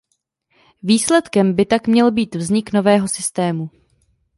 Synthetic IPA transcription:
viːslɛt̪kɛmbɪt̪akmɲɛlbiːt̪vzɲɪkno̞vɛːɦo̞sɪst̪ɛːmu

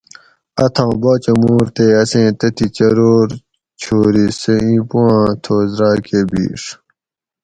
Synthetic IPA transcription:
ɐt̪ʰãːbaːt͡ɕɐmuːɾt̪eːɐsẽːt̪ɐt̪ʰit͡ɕɐɾoːɾ | t͡ɕʰoːɾiseĩːpuwãːt̪ʰoːzɾaːkebḭːʂ

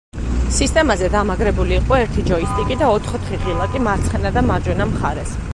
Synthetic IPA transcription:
sist̪ʼɛmazɛd̪amaɡɾɛbuliːqʼɔɛɾt̪ʰid͡ʒɔist̪ʼikʼid̪aɔt̪ʰχɔt̪ʰχiʁilˠakʼimaɾt̪sʰχɛnad̪amad͡ʒwɛnamχaɾɛs

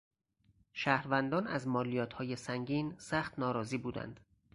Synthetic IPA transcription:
ʃæːhɾvænd̪ɒːnæzmɒːlijɒːt̪hɒːjesæŋɟiːnsæxχt̪nɒːɾɒːziːbuːd̪æ̰nd̪̥

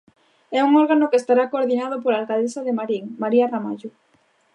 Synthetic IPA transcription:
ɛuŋoɾɣanʊkeːst̪aɾakoːɾðinað̞ʊpolalkaðesaðemaɾiŋmaɾiaðamaʎʊ

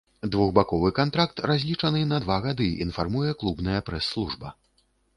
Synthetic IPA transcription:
d̪vuɣbakɔvɨkant̪ɾak̚t̪razʲlʲit͡ʂɐnɨnɐd̪vaɣad̪ɨḭnfarmujɛklˠubnɐjɐpɾɛsːlˠuʐbɐ

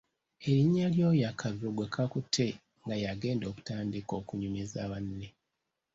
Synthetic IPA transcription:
e̞ɾiɲːaljo̞ːjakʰaβjoɡwekʰakutʰe̞ | ŋɡajaɡe̞ːndo̞ːku̥taːndiko̞ːkuɲumizaːβanːe

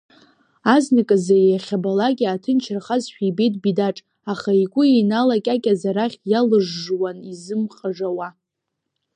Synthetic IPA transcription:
aznɨkʼazajaχʲabalakʲʼiatʰɨnt͡ʃʰrχazʃᶣaibe̞jtʼbidaʈ͡ʂʼ | aχaiɡʷʼʊenalakʲʼakʲʼazaɾaχʲjalɨʐːwanizɨmqʼaʐawa

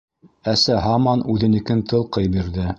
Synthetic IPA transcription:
æsæɦɑmɑnʉðɘ̆nɘ̆kɘnt̪ɤ̆lˠqɤjbiɾðɘ

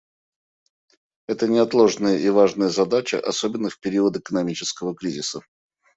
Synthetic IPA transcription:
ɛt̪ənʲɪɐt̪lˠo̞ʐnəjəʔɪvaʐnəjəzɐd̪at͡ɕə̰ʔɐ̰sobʲɪnːəfʲpʲɪɾʲiəd̪ɨkənɐmʲit͡ɕɪskəvəkɾʲizʲɪsə

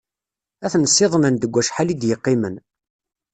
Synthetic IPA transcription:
æθnəsːɪðˤənænd̪əɡʷːæʃħalid̪jəqːɪmən

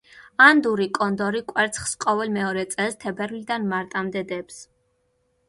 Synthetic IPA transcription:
and̪uɾikʼɔnd̪ɔɾikʼwɛɾt̪sʰχsqʼɔvɛlˠmɛɔɾɛt̪sʼɛlˠst̪ʰɛbɛɾlid̪anmaɾt̪ʼamd̪ɛd̪ɛps

